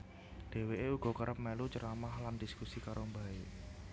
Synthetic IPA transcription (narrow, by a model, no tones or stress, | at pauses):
d̪̥e̤weʔeuɡ̥ɔ̤kəɾəp̚melut͡ʃəɾamahlandiskusikaɾombae